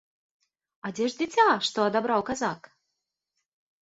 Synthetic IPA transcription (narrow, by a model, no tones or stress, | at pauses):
ad͡zʲɛʐd͡zʲɪt͡sʲaʂt̪ɔɐd̪abɾawkazak